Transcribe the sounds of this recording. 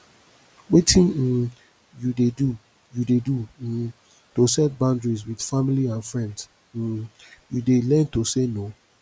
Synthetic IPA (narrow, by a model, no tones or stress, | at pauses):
wetʰĩn̩ | judedu | judedu | tosɛt̚bãʊndɹis̬wid̥familiãnfɹɛ̃nds̩ | judelɛ̃ntoseno